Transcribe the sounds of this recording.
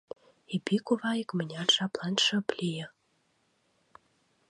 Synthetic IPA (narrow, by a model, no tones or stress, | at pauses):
ebʲikuβɑjɤkmɘ̆nʲɑrʃɑplˠɑnʃɤ̆plʲijə̆